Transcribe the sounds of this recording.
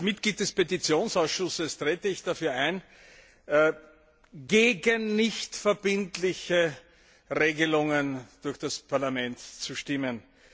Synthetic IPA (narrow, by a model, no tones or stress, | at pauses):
mɪt̚ɡ̥liːt̚d̥ɛspetit͡sjoːnsaʊsʃʊsəstʁ̥eːtəɪçd̥afyːɐæɪn | ɡeːɡənːɪçtfɛɐbɪntlɪçə | ʁeːɡəlʊŋənd̥ʊɐçd̥aspʰaɐlamɛntt͡suʃtɪmən